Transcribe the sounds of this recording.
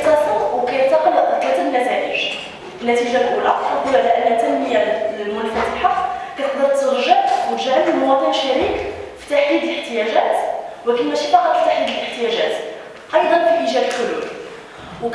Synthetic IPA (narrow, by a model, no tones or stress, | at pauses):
t̪ɑfuwkæjət̪ːɑqəlːʔd̪lɑt̪ːəbənːæt̪æʔəʒ | ənːæt̪iʒalʔulæ̰ħɑb̪əʕlæʔənːət̪ːænːəjalmʊnfæt̪əlħɑqːkæt̪əq̚d̪əɾt̪ːəɾˤʒəʔwət̪ʒæɾəbəlmʊwɑt̪ˤənəʃːæɾikfi̥t̪aħd̪id̪ələħt̪əjæʒæt̪wækənmæʃifɑqɑt̪ət̪ːaħid̪ələħt̪əjæʒæ̰t̪ | ʔɑjd̪ˤɑnfifiʒælħʊlṵ | w